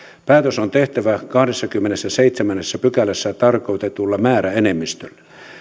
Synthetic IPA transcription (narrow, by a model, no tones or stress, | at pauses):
pæːt̪øsont̪eht̪æʋækɑhɑdesːɑkymːenesːæseit̪semænːesːæpykælːesːæt̪ɑrkout̪et̪ulːɑmæːɾæenemːist̪ø̰lːe